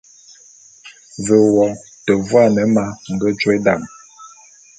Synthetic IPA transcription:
və˨wɔ˨ | tə˨vwa˦˨nə˨˦ma˦ŋ̩˨ɡə˦d͡ʒwe˦da˦˨ŋ

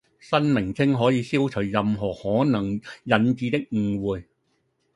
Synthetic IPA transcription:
sɐ˥nmɪ˨˩ŋt͡sʰɪ˥ŋɦɔː˨˥jiː˧siː˥wt͡sʰɵ˨˩ɥjɐ˨mɦɔː˨˩hɔː˨˥nɐ˨˩ŋjɐ˨˥nt͡siː˨˧t̪ɪ˥k̚ŋ̩˨˩wuː˨j

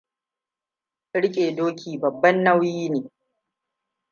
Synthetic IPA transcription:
ɽɪ˦kʲʼeː˨doː˦kʰʲiː˨bɐ˨bːɐ˦nːɐ˦wjiː˦neː˨

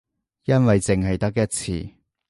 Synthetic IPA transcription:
jɐ˥nwɐ˨jt͡sɪ˨ŋɦɐ˨jt̪ɐ˥k̬̚jɐ˥t̚t͡sʰḭː˧˩

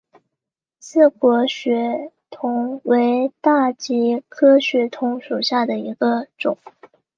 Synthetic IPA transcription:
sɹ̩˥˩kwɔ˧˥ɕɥɛ˧˥ | t̪ʰʊ˧˥ŋwe˧˥ɪt̪a˥˩t͡ɕi˧˥kʰɤ˥ɕɥɛ˧˥t̪ʰʊ˧˥ŋʂu˨˩ɕja˥˩d̪ə˩i˧˥ɡə˧ʈ͡ʂʊ˨˩˦ŋ

